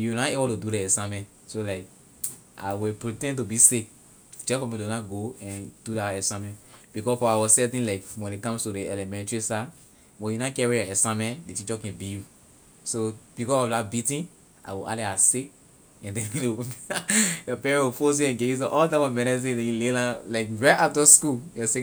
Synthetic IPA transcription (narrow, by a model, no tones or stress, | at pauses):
juwnaebɔtududɛɛsãmɛ̃nt | solaɪk | ʔa̰wipɹitɛ̃nt̬ubisek | d͡ʒɛfɔ̃mĩdonaɡoɛ̃nd̥udaɛsamɛ̃ntb̥ikɔsfɔawɔsɛtĩnlaɪkwɛ̃nikãmstudeɛlɛmɛ̃ntɹisa | wɛ̃njunakɛɹijɔɛsãmɛ̃ndetit͡ʃɔkɛ̃biju | sob̥ikɔsɔfdabitĩn | ʔa̰ɪwiʔa̰leasek | ɛ̃ndɛ̃le | jɔpɛɹɛ̃wifos̬iɛ̃nɡeus̬ɔʔɔltãmɔmɛ̃nɛs̬ĩdɛ̃julelalaɪkɹaɪtatɔskujɔse